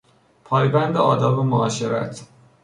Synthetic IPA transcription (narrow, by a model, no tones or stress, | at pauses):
pʰɒːjbænd̪eɒːd̪ɒːbemoɒːʃeɾæ̰t̪ʰ